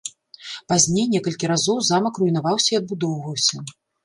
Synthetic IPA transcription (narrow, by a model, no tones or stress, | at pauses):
pazʲnʲejnʲɛkɐlʲkʲiɾazɔwzamɐkrujnavawsʲɐiɐd̪̚bud̪ɔwvɐwsʲɐ